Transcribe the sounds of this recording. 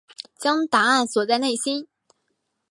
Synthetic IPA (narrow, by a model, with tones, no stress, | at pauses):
t͡ɕjɑ˥ŋt̪a˧˥a˥˩nswɔ˨˩t͡sa˥˧ɪne˥˩ɪɕi˥n